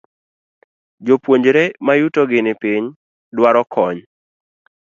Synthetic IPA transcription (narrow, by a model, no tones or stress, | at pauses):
d͡ʒopwoɲd͡ʒɾemajutoɡɪnɪpɪɲ | dwaɾɔkʰɔɲ